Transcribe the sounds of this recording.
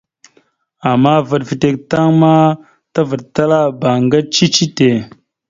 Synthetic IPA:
a˨mːa˦və˨tvi˨te˨k̚ta˦ŋma˦ | ta˦və˨ɗ̚ta˦la˦ba˨ŋɡa˦t͡ʃi˦t͡ʃi˦te˨

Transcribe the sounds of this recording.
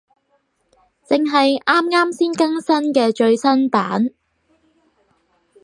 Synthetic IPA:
t͡sɪ˨ŋɦɐ˨jʔaː˥mŋaː˥msiː˥nkɐ˥ŋsɐ˥nkɛː˧t͡ʃɵ˧ɥsɐ˥npaː˨˥n

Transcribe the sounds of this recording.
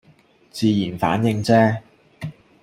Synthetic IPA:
t͡siː˧jiː˨˩nfa̰ː˨˥njɪ˧ŋt͡sɛː˥

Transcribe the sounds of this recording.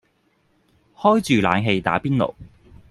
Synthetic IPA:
hɔː˥jt͡ʃyː˨la̰ː˨˧nɦe˧jt̪a̰ː˨˥piː˥nlo̰˨˩

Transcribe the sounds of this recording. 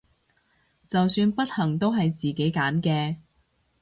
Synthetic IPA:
t͡sɐ˨wsyː˧npɐ˥t̚hɐ˨˩ŋt̪o˥wɦɐ˨jt͡siː˨ke˨˥jkaː˨˥nkɛː˧

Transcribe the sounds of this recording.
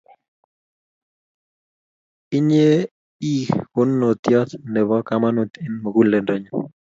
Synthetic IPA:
i˦ɲe˦ | i˦kʊ˦nːo˨t̪jɔ˦t̪nɛ˨bɔ˦ka˦ma˦no˨t̪i˦nmo˨ɡu˦nle˨nde˨ɲɔ˦

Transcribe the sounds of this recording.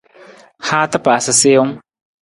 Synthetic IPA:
ha˦˧t̪a˦pa˨sa˧si˦ŋ

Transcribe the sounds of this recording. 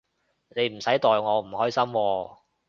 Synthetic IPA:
ne˨˧jm̩˨˩sɐ˨˥jt̪ɔː˨jŋɔː˨˧m̩˨˩hɔː˥jsɐ˥mwɔː˧

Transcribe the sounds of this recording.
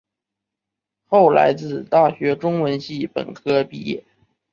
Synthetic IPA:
xo˥˩ʊla̰˧˥ɪt͡sɹ̩˥˩t̪a˥˩ɕɥɛ˧˥ʈ͡ʂʊ˥ŋwə˧˥nɕi˥˩pə̰˨˩nkʰɤ˥pi˥˧jɛ̰˥˩

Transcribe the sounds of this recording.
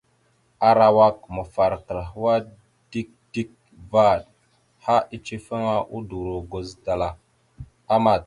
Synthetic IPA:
a˨ɾa˨wa˦k̚mə˨fa˨ɾkə˨ɾɦə˦wa˦ | d̥i˦k̚d̥i˦k̚ | va˦˨d̚ | ha˦ʔi˦t͡ʃi˦fə˦ŋa˦ʔu˦du˨ɾo˨ɡo˨zda˨la˨ | a˦ma˨t̚

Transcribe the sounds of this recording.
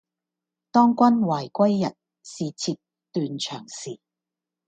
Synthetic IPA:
t̪ɔː˥ŋkʷɐ˥nwaː˨˩jkʷɐ˥jːɐ˨t̚ | siː˨t͡sʰiː˧p̚ | t̪yː˨nt͡ʃʰœ̰ː˨˩ŋsiː˨˩

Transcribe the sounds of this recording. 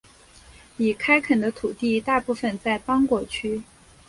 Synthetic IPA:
i˨˩kʰa˥ɪkʰə˨˩nd̪ə˦t̪ʰu˨˩t̪i˥˧t̪a˥˧pu˥˩fə˨˩nt͡sa˥˩ɪpɑ˥ŋkwɔ˧˩t͡ɕʰy˥

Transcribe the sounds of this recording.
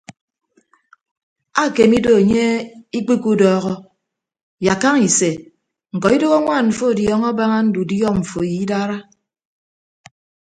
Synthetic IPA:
a˦˨ke˨mi˦do˨e˨ɲe˦i˦k͡pi˦ku˦dɔː˦ɣɔ˦ | ja˨ka˦ŋi˨se˨ | ŋ̩˨kɔ˨i˦do˦ɣa˦ŋʷa˦˨nɱ̩˨fo˦˨djɔ˦ŋɔ˦ba˦ŋa˦n̩˦du˨djɔ˦ɱ̩˨fo˨ji˨˦da˦ɾa˦

